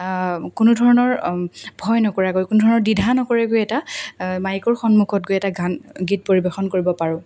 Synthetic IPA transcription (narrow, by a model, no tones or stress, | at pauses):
kunudʱɔɹɔnɔɹbʱɔjnɔkɔɹaɡojkunudʱɔɹɔnɔɹdidʱanɔkɔɹɛɡojɛtamajikɔɹxɔnmukʰɔt̚ɡojɛtaɡanɡit̚poɹibexɔnkoɹibɔpaɹʊ̃